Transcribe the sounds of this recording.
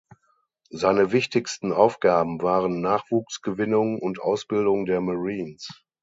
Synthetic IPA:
zaɪnəvɪçtɪçstn̩ʔaʊfɡ̥aːbm̩vaːʁənːaːχv̥uːksɡ̥əvɪnʊŋʊntʔa̰ʊsb̥ɪldʊŋdeːɐmaʁiːns

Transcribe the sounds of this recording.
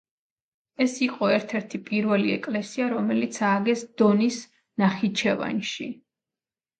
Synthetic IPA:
ɛsiqʼɔɛɾt̪ʰɛɾt̪ʰipʼiɾvɛliɛkʼlɛsiaɾɔmɛlit̪sʰaɡɛsd̪̥ɔnis | naχit͡ʃʰɛva̰nʃi

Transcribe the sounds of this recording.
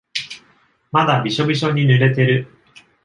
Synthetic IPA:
mad̪abʲiɕo̞bʲiɕo̞ɲ̟inɯɾe̞t̪e̞ɾɯ̟

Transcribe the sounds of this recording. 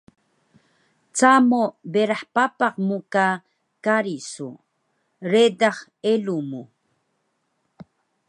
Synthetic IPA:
t͡samobeɾaħpapaqmuka | kaɾisu | ɾed̪aχ | elumu

